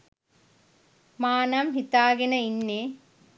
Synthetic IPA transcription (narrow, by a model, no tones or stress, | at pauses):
maːnɐmɦit̪aːɡinɐinːe